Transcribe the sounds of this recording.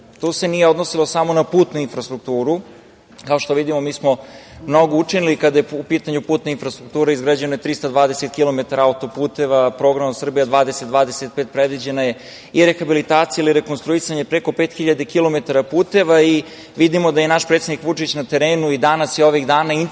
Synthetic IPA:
t̪use̞nijeo̞d̪nosilo̞samo̞napuːt̪nuinfɾast̪ɾuk̚t̪uːɾu | kao̞ʃt̪o̞ʋid̪imo̞miːsmo̞mno̞ɡout͡ʂinilikad̪ajeupiːt̪aɲupuːt̪noinfɾast̪ɾuk̚t̪uːɾaizɡɾad͡ʑenojet̪ɾist̪ad̪ʋaːd̪eset̪kilˠo̞met̪aɾaaut̪o̞puːt̪e̞ʋapɾo̞ːɡɾamasr̩bijad̪ʋaːd̪eset̪d̪ʋaːd̪eset̪̚pet̪̚pɾed̪ʋid͡ʑe̞naje̞ | iɾexabilit̪aːt̪sijailiɾe̞konst̪ɾuisaɲe̞pɾeko̞pet̪xiʎad̪ekilo̞me̞t̪aɾapuːt̪e̞ʋai | ʋid̪imo̞d̪aje̞naʃpɾet̪sed̪ikʋut͡ʂit͡ɕnat̪e̞ɾe̞ːnuid̪anasjio̞ʋiɣd̪aːnain

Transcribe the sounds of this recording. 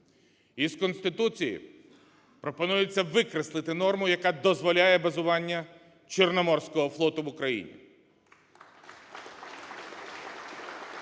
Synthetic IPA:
izkɔnst̪ɪt̪ut͡sʲijḭ | pɾɔpɔnujet͡sʲːɐʋɪkɾeslˠɪt̪ɪnɔrmʊjɐkad̪ɔzʋɔlʲajɛbɐzʊʋɑnʲːɐ | t͡ʃernɔmɔrsʲkɔɦɔflˠɔt̪ʊʋʊkɾɐjḭnʲḭ

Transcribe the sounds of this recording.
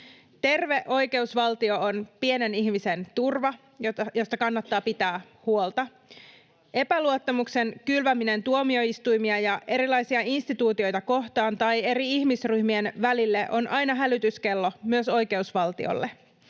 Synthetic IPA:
t̪e̞rʋe̞ʔo̞jke̞usʋɑlt̪io̞onpie̞neniçmise̞nt̪urʋɑ | jojo̞st̪ɑkɑnːɑt̪ːɑːpit̪æː | huolt̪ɑ | ʔe̞pæluot̪ːɑmukse̞nkylʋæmine̞nt̪uomio̞ist̪ujmiɑjɑʔe̞ɾilɑjsiɑinst̪it̪uːt̪io̞jt̪ɑko̞ht̪ɑːnt̪ɑje̞ɾiiçmisryhmie̞nʋælilːeʔonʔɑjnɑɦælyt̪yske̞lːo̞myøso̞jke̞usʋɑlt̪ḭo̰lːe

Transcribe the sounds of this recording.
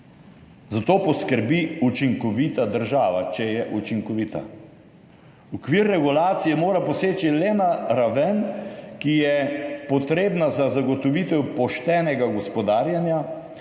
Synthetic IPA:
zat̪oːpɔskəɾbiut͡ʃiŋkɔʋiːt̪ad̪əɾʒaːʋat͡ʃɛjɛʔut͡ʃiŋkɔʋiːt̪a̰ | ukʋiːɾːɛɡulaːt̪sijɛmoːɾapɔseːt͡ʃilɛnaɾaʋɛnkijɛpɔt̪ɾeːbnazazaɡɔt̪ɔʋit̪ɛwpɔʃt̪ɛːnɛɡaɡɔspɔd̪aːɾjanja

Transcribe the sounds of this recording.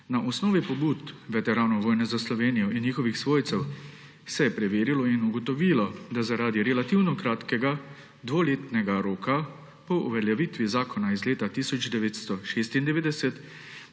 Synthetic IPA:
naʔɔsnɔːʋipɔbuːt̪ʋɛt̪ɛɾaːnɔʋoːjnɛzaslɔʋeːnijɔʔinjiːxɔʋixsʋoːjt̪sɛw | sɛjɛpɾɛʋeːɾilɔinuɡɔt̪ɔʋiːlɔd̪azaɾaːd̪iɾɛlat̪iwnɔkɾaːt̪kɛɡa | d̪ʋoleːt̪nɛɡaɾoːka | pɔʔṵʋɛɾjaʋit̪ʋizaːkʰɔnaizleːt̪at̪iːsɔd͡ʒd̪ɛʋeːt̪st̪ɔʃeːst̪ind̪ɛʋeːd̪ɛsɛt̪

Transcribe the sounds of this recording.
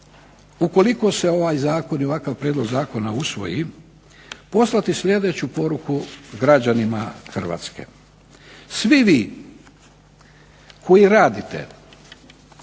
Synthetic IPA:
uko̞liko̞se̞o̞ʋajzaːko̞nioʋakaʋpɾjed̪lo̞ɡzaːko̞nausʋo̞̰ji | po̞slˠat̪islʲje̞d̪e̞t͡ɕupo̞ɾukuɡɾad͡ʑanimaxr̩ʋa̰ːt̪ske̞̰ | sʋiʋiː | kʰo̞jiɾaːd̪it̪ḛ

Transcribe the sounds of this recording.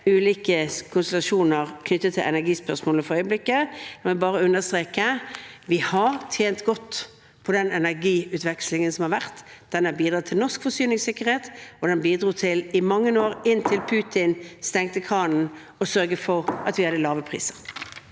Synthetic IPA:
ʉːliːkəkʰʊnsʊlɑʂuːnəʁkʰnʏt̪ːət̪ʰːɪlʔɛ̰næɡiːspœʁsmoːləfɔɾœʏəblɪkːəd̪ɛʋɪlbɑːɾəʉnːəst̪ɾeːkəʋɪhɑʁt̪ʰjeːnt̪ɡɔt̪ː | pʰɔd̪ɛnɛnæʁɡiːʉːt̪ʋɛkslɪŋənsɔmhɑɾʋæʁt̪d̪̥ɛnæbiːd̪ɾɑːt̪ʰɪlnɔskfɔsyːnɪŋsɪkːəɾheːt̪ɔd̪ɛnbiːd̪ɾuːt̪ʰɪlɪmɑŋːənoːɾɪnt̪ʰɪlpʰʉːt̪ʰɪnst̪ɛŋt̪əkʰɑːnn̩ | ɔsœɾɡəfɔʁɑt̪ʋɪɑd̪ɛlɑːʋəpʰʁḭːsəʁ

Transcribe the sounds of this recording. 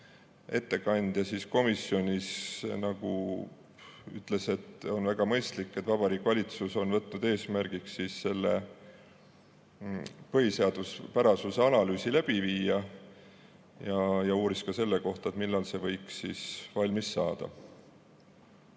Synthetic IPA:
e̞t̪ːe̞kɑnʲd̪̥jɑsisko̞misːio̞nʲisnɑɡu | y̰t̪ːˑle̞se̞t̪ːˑo̞nvæɡ̥ɑmɤ̞jst̪likːet̪vɑb̥ɑɾiːkːˑvɑlʲit̪suso̞nvɤt̪ːnud̪e̞ːsmærɡ̥iksːisse̞lːḛ | pɤɦiseɑd̪̥uspæɾɑsuseɑlɑlyːsilæb̥iviːɑ | jɑjɑuːɾiskɑse̞lːeko̞ht̪ɑet̪milːɑlse̞vɤ̞jkssisvɑlʲmisːɑːd̪̥ɑ̰

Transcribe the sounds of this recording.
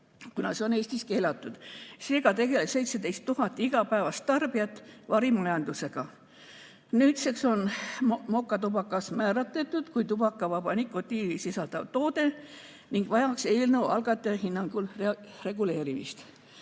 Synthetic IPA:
kunɑseo̞ne̞ːst̪iske̞ːlɑt̪ːˑud̪̥se̞ːɡ̥ɑt̪e̞ɡe̞lese̞jt̪sed̪ejst̪ːuɦɑt̪ːˑiɡ̥ɑpæevɑst̪t̪ɑrb̥iɑt̪ːˑvɑɾimɑjɑnd̪use̞ɡ̥ɑ | nyːt̪sekso̞nmo̞kːˑɑt̪ub̥ɑkːˑɑsmæːɾɑt̪ˑːet̪ːˑud̪̥kujt̪ub̥ɑkːˑɑvɑb̥ɑnikːˑot̪iːisisɑld̪̥ɑvt̪o̞ːd̪e̞ | niŋɡ̥vɑjɑkse̞ːlnewʔɑ̰lɡ̥ɑt̪ːˑeɑhinːɑŋɡ̥ulre̞ɡule̞ːɾimist̪

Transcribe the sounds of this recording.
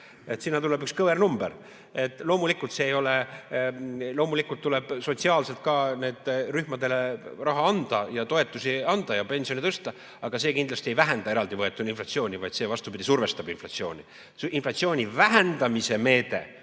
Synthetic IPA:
e̞t̪sinːɑt̪ule̞bykskɤvernumbeɾ | e̞t̪ːˑlo̞ːmulikːˑult̪se̞ːjo̞le̞ | lo̞ːmulikːˑult̪ːule̞b̥so̞t̪ʲsiɑːlse̞lt̪̚kɑne̞ːd̪̥ryhmɑd̪e̞le̞rɑɦɑɑnd̪̥ɑjɑt̪o̞e̞t̪ːˑusiɑnd̪̥ɑjɑpe̞nsionit̪ɤst̪ɑ | ɑɡ̥ɑse̞ːkind̪lɑst̪ie̞jvæɦænd̪̥ɑe̞ɾɑld̪ivɤe̞t̪ːˑuninflɑt̪sio̞ːnʲivɑjd̪̥sevɑst̪ubid̪̥ʲisurve̞st̪ɑbinflɑt̪sio̞ːnʲi | inflɑt̪sio̞ːnʲivæɦend̪ɑmise̞me̞ːt̪e̞̰

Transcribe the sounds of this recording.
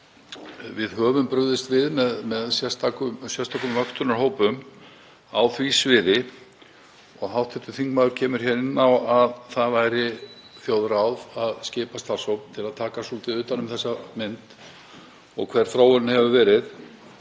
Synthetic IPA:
vɪðɦœːvʏmpɾʏðɪst̪vɪðmɛðmɛðsjɛst̪akʏsjɛ̥st̪ʰaːkʏmvœkst̪ʏɾnaɾ̥ɦoːwpʏm | awθvisvɪːðɪ | ɔɣɦawht̪ʰɪht̪ʏ̥θiŋkmaðʏɾ̥cʰɛːmʏɾ̥çɛɾɪnːawaðθaðvaːjɾɪθjoːwðɾawðaðscɪːpast̪arsowpn̥t̪ʰɪlaðt̪ʰaːkasult̪ɪðʏːt̪anʏmθɛsːamɪnt̪ | ɔ̰ɣkʰv̥ɛɾ̥θɾaːwʏnhɛvʏvɛːɾɪθ

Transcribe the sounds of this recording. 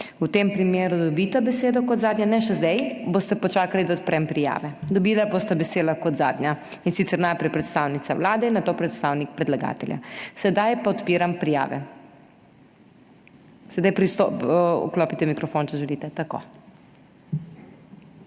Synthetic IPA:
ut̪empɾimeːɾud̪ɔbiːt̪abɛseːd̪ɔkɔd̪zaːd̪ɲjanɛʃɛzd̪ɛjboːst̪ɛpɔt͡ʃaːkalid̪aɔt̪̚pɾɛmpɾija̰ːʋɛd̪ɔbilabost̪abɛseːd̪lakɔt̪za̰ːd̪nɲjainsit̪sɛɾnajpɾɛjpɾɛt̪st̪awnit̪sawlaːd̪ɛinːat̪oːpɾɛt̪st̪awnik̚pɾɛd̪laɡa̰ːt̪ɛlja̰sɛd̪ajpaɔt̪piːɾampɾija̰ːʋɛ̰ | sɛd̪ajpɾist̪oɔ̰klɔːpit̪ɛmikɾɔfont͡ʃɛʒɛlit̪ɛt̪ako̰

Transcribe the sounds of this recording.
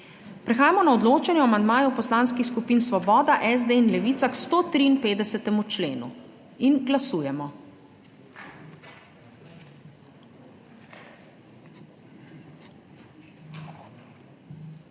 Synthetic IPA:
pɾɛxaːjamɔnaɔd̪loːt͡ʃɛnjɔwamand̪maːjupɔslanskixskupiːnsʋɔbɔːd̪aʔɛzd̪einlɛʋiːt̪sakst̪oːt̪ɾiːnpeːd̪ɛsɛt̪ɛmut͡ʃleːnṵ | inɡlasuːjɛmɔ

